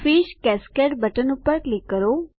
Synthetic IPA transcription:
fiʃkɛskeʈbəʈənupəɾʈlikːəɾo

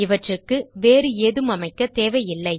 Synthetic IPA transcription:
ɪʋɐʈrɯkːɯʋeːɾɯeːðɯmɐmɐɪkːɐt̪eːʋɐjɪlːɐɪ

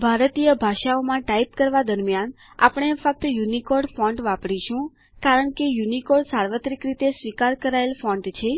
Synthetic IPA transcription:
bʱaɾt̪ijəbʱaʃaomãʈaipkəɾʋad̪əɾmjan | a̰pɳ̃efək̚t̪əjunikɔɖfɔ̃ɳɖʋapɽiʃũ | kaɾəɳkejunikɔɖsaɾʋət̪ɾikɾit̪esʋikaɾkəɾaelfɔ̃ɳɖt͡ʃʰe

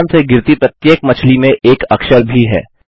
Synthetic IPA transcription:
nseɡɪɾt̪ipɾət̪jeːkmɐt͡ʃʰlimẽʔeːkɐkʃəɾbʱiɦɛ̰ː

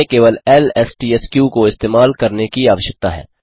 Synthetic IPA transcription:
ekeːʋəlɛlɛːsʈiːɛskjukoɪst̪eːmaːlkɐɾnekiaːʋəʃjək̚t̪aɦɛ̰ː

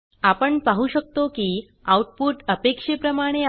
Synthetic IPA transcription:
apəɳpaɦuɕək̚t̪okiː | awʈ̚puʈəpekʂepɾəmaɽ̃e

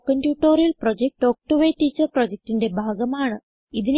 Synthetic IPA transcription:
kɐnpjuːʈːoːrijɐlprod͡ʑek̚ʈo̞ːk̚ʈuʋejtːiːt͡ɕːɐrprod͡ʑek̚ʈinde̞bʱaːɡɐmaːɳɨ | iðin

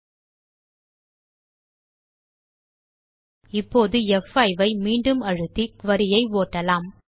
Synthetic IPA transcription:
ɪpːoːðɯɛfɐɪʋɐɪmiːɳɖɯmɐɻɯt̪ːikʋɐɾɪjɐɪʋoːʈːɐlaːm

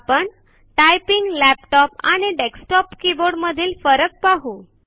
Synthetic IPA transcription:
pəɳ | ʈajpiŋɡlæpʈɔpa̰ɽ̃iɖeksʈɔpkiboɽməd̪ʱiːlfəɾək̚paɦu

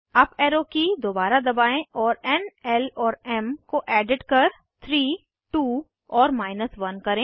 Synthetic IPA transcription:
ɐpɛːɾokid̪oːbaːɾad̪ɐbaːẽʔɔːɾɛnɛlɔːɾɛmkoʔɛːɖɪʈkɐɾ | t̪ʰɾiː | ʈuː | ɔːɾmaːɪnəsʋɐnkɐɾẽː

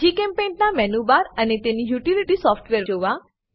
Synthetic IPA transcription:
d͡ʒikɛ̃mpennamɛnubaɾənet̪enijuʈiliʈisɔfʈʋeɾoʋa

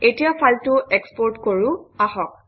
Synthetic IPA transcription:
etijapʰaltʊʔekspɔɹtkoɹʊ̃aɦɔk̚

